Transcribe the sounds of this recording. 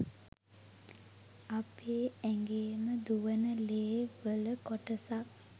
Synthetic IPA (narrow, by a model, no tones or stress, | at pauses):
apʰeːɛŋɡeːməd̪uʋənəleːʋələkoʈəsak̚